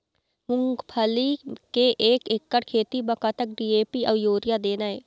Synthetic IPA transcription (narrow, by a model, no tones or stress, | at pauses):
mʊŋɡpʰəliːkeːʔeːkɪkːəɽkʰeːt̪iːbəkaːt̪ək̚ɖiːeːpiːʔəʋjoːɾɪjaːd̪eːnaːeː